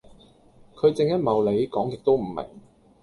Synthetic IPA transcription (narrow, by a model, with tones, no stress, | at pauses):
kʰɵ˨˧ɥt͡sɪ˧ŋjɐ˥t̚mɐ˨wle˨˧jkɔː˨˥ŋjɪ˨k̚t̪o˥wm̩˨˩mɪ̰˨˩ŋ